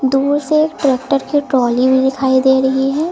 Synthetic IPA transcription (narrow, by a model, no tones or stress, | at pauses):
d̪uːɾseːk̚ʈɾɛːk̚ʈəɾkiʈɾɔːlibʱid̪ɪkʰaːid̪eːɾɐɦiɦɛː